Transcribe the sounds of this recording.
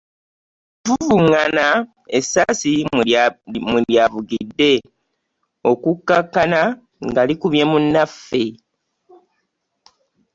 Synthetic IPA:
tuvuŋana | esasi | muljavuɡidːe̞ | o̞kukːakːana | ŋɡalikuβjemunːafːe̞

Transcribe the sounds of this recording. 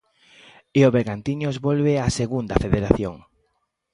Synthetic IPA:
eoβeɾɣant̪iɲozβolβeaseɣund̪ɐfeðeɾaθjoŋ

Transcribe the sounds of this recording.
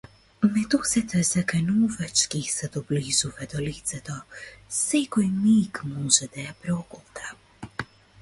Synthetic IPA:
mɛt̪ɔsɛt̪ɛzakanuvat͡ʃkisɛd̪ɔblizuvɛd̪ɔlit̪sɛt̪ɔsɛkɔjmikmɔʒɛd̪ajapɾɔɡɔt̪ɾa

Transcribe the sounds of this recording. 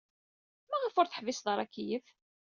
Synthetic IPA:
mæʁəfʊɾˤθə̥ħvɪsðˤəɾˤækːijəf

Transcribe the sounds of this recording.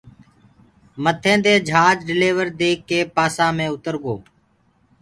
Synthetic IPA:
mət̪ʰẽːd̪eːd͡ʒʱaːd͡ʒɖɪleːʋəɾd̪eːkːeːpaːsãːmẽːʊt̪əɾɡoː

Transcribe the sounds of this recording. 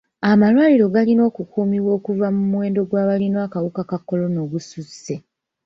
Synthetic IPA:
amalwaːliɾo̞ɡalino̞ːkukuːmiβwo̞ːkuvamumwe̞ːndo̞ɡwaːβalinoakawukakakːo̞lo̞no̞ːɡususe̞

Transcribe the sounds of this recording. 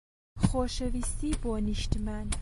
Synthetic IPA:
χoʃevist̪iboniʃt̪mæn

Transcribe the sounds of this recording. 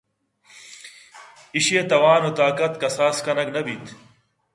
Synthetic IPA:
iɕeːt̪ɐwaːnot̪aːkɐt̪kɐsaːskɐnɐknɐbit̪

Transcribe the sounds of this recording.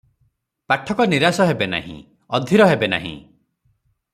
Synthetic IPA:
paʈʰɔkɔniɾasɔɦebena̰ɦḭ̃ | ɔd̪ʱiɾɔɦebena̰ɦḭ̃

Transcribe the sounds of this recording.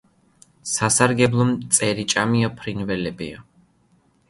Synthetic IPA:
sasaɾɡɛblˠɔmt̪sʼɛɾit͡ʃʼamiapʰɾinvɛlɛbḭa̰

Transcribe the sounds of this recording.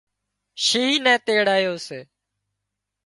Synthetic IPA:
ʃiiːnɛ̃ːt̪eːɽaːjoːseː

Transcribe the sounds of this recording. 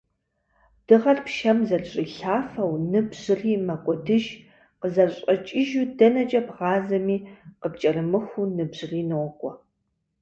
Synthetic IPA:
d̥ɨʁɐrpʃɐmzɐrɕʼiɬaːfɐwnɨbʑɨriːmɐkʷʼɔdɨʒ | qəzɐɕʼɐt͡ʃʼɪʒudɐnɐt͡ʃʼɐbʁɑːzɐmiːqəp̚t͡ʃʼɐrɨmɨxʷunɨbʑ̥ɨriːnɨʁʷɔkʷʼɔ

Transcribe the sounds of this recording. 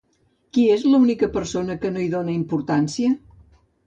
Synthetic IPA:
kiezləunikəpəɾsonəkənoiðonəimpuɾt̪ansiə

